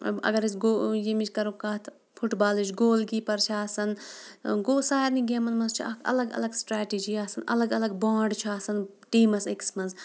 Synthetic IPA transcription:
ɐ̰ɡɐɾisɡoːjimit͡ʃʲkɐɾokaːt̪ʰ | pʰuʈbaːlit͡ʃɡoːlɡiːpɐɾt͡ʃʰaːsɐnɡoːsaːjɐɾniɡemɐnmɐnzt͡ʃʰiɐkʰɐ̰lɐɡɐ̰lɐɡsʈɾaːʈid͡ʒiaːsɐnɐ̰lɐɡɐlɐɡbãːɳɖt͡ʃʰaːsɐn | ʈiːmɐseksmɐnz

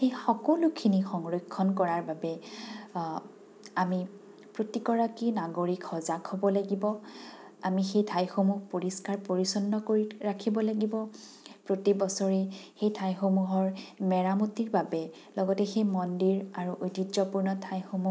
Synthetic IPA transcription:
xejxɔkɔlukʰinixɔŋɹojkʰːɔnkɔɹaɹbabɛ | ami | pɹotikɔɹakinaɡoɹikxɔzakhɔbɔlaɡibɔ | amixejtʰajxomuhpoɹiskaɹpoɹisɔnːɔkoɹiɹakʰibɔlaɡibɔ | pɹotibɔsɔɹɛxejtʰajxomuɦɔɹmɛɹamutiɹbabɛ | lɔɡɔtɛxejmɔndiɹaɹuʔojtizɔpuɹnɔtʰajxomu

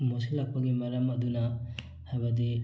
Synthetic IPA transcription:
mosilɐk̚pɐɡimɐɾɐmɐdunɐ | hajbɐd̪i

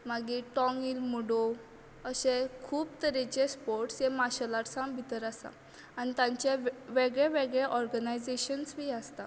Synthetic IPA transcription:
maɡiʈɔ̃ŋilmuɽo | əɕẽkʰuːbt̪əɾẽt͡ɕespoɾʈsemaɕəlaʈsãmbʱit̪əɾasã̰ | anit̪ãɲt͡ɕeʋeɡɭeʋeɡɭeʔɔɾɡənajd͡zeɕənsʋiːast̪a

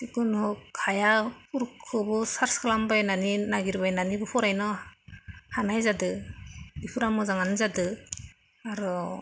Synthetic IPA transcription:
sikunhɔkʰajapʰuɾkʰɯbɔsaɾskʰalambajnaninaɡiɾbajnanibɔpʰɔɾajnɔ | hanajzadɯbipʰuɾamɔzaŋanɯzadɯ | aɾɔ

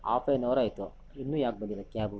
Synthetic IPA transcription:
a̰ːfenoːɾaːjt̪u | inːuːjaːk̚bɐnd̪ilɐkaːbu

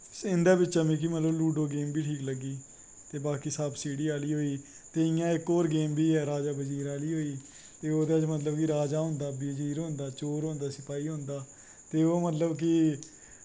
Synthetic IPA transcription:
ɪ̃nd̪aːbɪt͡ʃːt͡ʃːãːmĩːk̬imət̪ləbluːɖoːɡeːmbiːʈʰiːkləɡːiː | t̪eːbaːkiːsaːbsiːɽiːaːliːɦoːiː | t̪eːɪjãːɪkoːɾɡeːmbʱiːɛːɾaːd͡ʒaːbəd͡ʒiːɾaːliːɦoːiː | t̪eːoːd̪aːd͡ʒmət̪ləbkɪɾaːd͡ʒaːɦʊ̃nd̪aːbiːd͡ʒiːɾɦõːnd̪aːt͡ʃoːɾɦõːnd̪aːsɪpaːiːɦõːnd̪aː | t̪eːoːmət̪ləbk̬ɪ

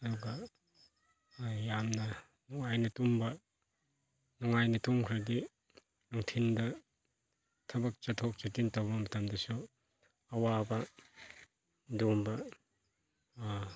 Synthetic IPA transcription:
ɐduɡɐ | jamnɐ | nuŋajnɐtumbɐ | nuŋajnɐtumkʰɾaɾdi | nuŋtʰindɐ | tʰɐbɐk̚t͡ʃɐtʰok̚t͡ʃɐtintawbɐmɐtɐmdɐsu | ɐwabɐ | dumbɐ

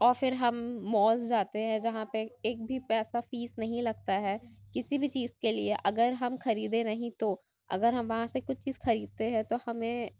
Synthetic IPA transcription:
ɔːɾfɪɾɦɐmːɔːzd͡ʒaːt̪eɦɛ̃d͡ʒɐɦãpeeːk̚bʱipɛːsafiːsnɐɦĩlɐɡ̚t̪aɦɛːkɪsibʱit͡ʃiːzkelieʔɐɡəɾɦɐmxɐɾiːd̪ẽnɐɦĩt̪o | ɐ̰ɡəɾɦɐmʋɐɦãsekʊt͡ʃʰt͡ʃiːzxɐɾiːd̪̚t̪eɦɛ̃t̪ohɐmẽ

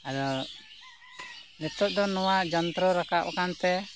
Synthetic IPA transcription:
aɾɔ | nɛt̪ɔʔ̚d̪ɔnɔwaʔd͡ʒɔnt̪ɾɔɾakaʔkant̪ɛ

